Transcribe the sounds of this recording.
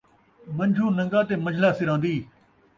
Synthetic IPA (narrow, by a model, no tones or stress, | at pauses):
mɐnd͡ʒʱuːnɐ̃ŋɡaːt̪eːmɐd͡ʒʱlaːsɪɾãːnd̪iː